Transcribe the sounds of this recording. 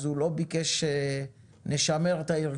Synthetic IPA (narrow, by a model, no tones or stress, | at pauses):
zulo̞bikeʃe | neʃame̞ʁt̪aiʁ